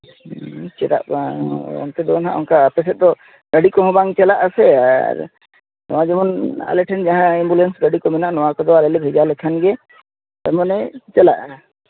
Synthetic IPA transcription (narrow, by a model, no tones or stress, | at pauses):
t͡ʃɛɾa̰ʔaɔ̰nt̪ɛd̪ɔɔnɦãʔɔnkaəpɛs̬ɛt̪̚d̪ɔ | ɾəɖikɔɦɔ̃baŋt͡ʃɛlaʔəsɛa̰ɾ | nɔ̰wad͡ʒɔmɔna̰lɛʈʰɛnd͡ʒaɦãɛmbulɛnsɾəɖikɔmɛnaʔnɔwakɔd̪ɔalɛlɛbʱɛd͡ʒalɛkʰanɡɛ | t̪ɛɾmanɛt͡ʃɛlaʔ